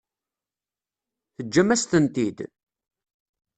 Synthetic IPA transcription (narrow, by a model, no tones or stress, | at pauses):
θəd͡ʒːæmæst̪ənt̪id̪